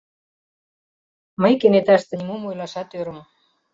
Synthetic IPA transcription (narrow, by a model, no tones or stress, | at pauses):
məjkenet̪ɑʃt̪ĕnʲimomojlɑʃɑt̪øɾə̆m